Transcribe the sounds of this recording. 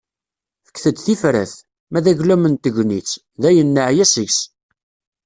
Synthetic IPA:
fə̥kːθəd̪θifɾæ̰θ | mæðæʝlæmənt̪əʝʷnit͡sː | ðæjənːəʕjæsəʝs

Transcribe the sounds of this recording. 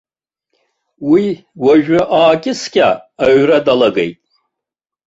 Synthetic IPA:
wiwaʒᶣaʔaːkʲʼɪskʲʼa̰ːɥradalaɡḛjtʼ

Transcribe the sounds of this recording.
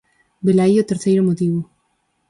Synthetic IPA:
belaiot̪eɾθejɾomot̪iβo

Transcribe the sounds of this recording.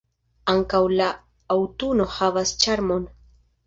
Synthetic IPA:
aŋkawlaː | wt̪unohavast͡ʃaɾmon

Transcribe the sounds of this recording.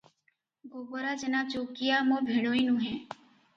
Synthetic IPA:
ɡoːboɾaːd͡ʒenaːt͡ʃoːkijaːmõːbʱiɽ̃oːinũːɦɛ̃ː

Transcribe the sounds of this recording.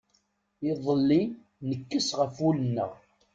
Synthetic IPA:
ɪðˤəlːi | nəkːəsʁəfulənːə̰ʁ

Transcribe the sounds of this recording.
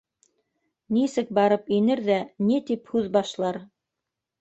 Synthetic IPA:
nisɘk̚bɑɾɤpinɘɾðænit̪iphʉðbɑʃlˠɑɾ

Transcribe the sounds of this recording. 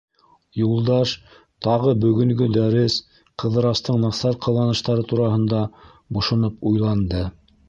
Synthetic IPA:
julˠd̪ɑʃ | t̪ɑʁɤbɵ̆ɡɵ̆ŋɡɵd̪æɾɘs | qɤ̆ðɤ̆ɾɑst̪ɤɴnɑsɑɾqʰɑ̆lˠɑnɤ̆ʃt̪ɑɾɤt̪uɾɑhɤ̆nd̪ɑ | bŏʃŏnɤpujlˠɑnd̪ɤ

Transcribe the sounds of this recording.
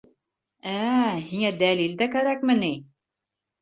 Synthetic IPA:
æhiŋæd̪ælild̪ækæɾækmɘni

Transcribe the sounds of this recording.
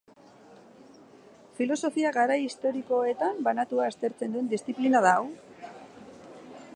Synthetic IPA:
filo̞so̞fiaɣaɾajist̪o̞ɾiko̞e̞t̪ambanat̪uaest̪e̞ɾt͡se̞nd̪ue̞nd̪ist͡siplinað̞aw

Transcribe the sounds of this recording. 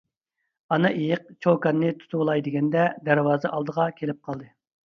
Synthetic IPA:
ɑnɑʔejɪq̚t͡ʃʰowkɑnːɨt̪ʰu̥t̪ʰulˠɑjd̪ɪɡʲɛnd̪ɛd̪æɾwɑːzɨʔɑlˠd̪əʁɑkʲʰelɪp̚qʰɑlˠd̪ɨ

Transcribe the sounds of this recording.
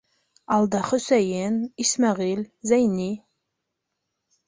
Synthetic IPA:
ald̪aχəsʷæjenismaʁilzajniː

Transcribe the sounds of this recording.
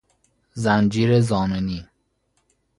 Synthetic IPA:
zænd͡ʒiːɾezɒːmeniː

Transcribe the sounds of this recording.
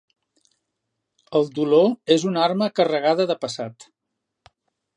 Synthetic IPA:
əlˠd̪uloezunarməkərəɣ̞aðəðəpəsat̪

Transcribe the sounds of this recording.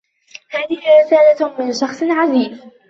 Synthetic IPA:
haːðɪhɪɾɪsaːlamɪnʃɑxsˤʕaziːz

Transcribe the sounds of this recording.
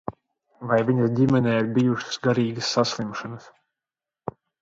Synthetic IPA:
vajviɲɐsdʲimɛnɛːiɾbijuʃɨ̥sɡaɾiːɡəsːaslˠimʃanɐs

